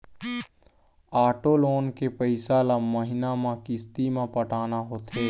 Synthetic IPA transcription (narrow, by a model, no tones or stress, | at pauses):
aːʈoloːnkepəɪsaːlaməɦɪnamãkɪst̪imãpəʈʰaːnaɦoːt̪ʰeː